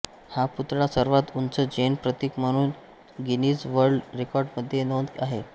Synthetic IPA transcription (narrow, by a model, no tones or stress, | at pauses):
haput̪ɽasəɾʋat̪unt͡səd͡ʑenpɾət̪ikm̤əɽ̃uːn | ɡiniːt͡sʋəɾɖɾekɔɾɖməd̪ʱːjenond̪kaɦe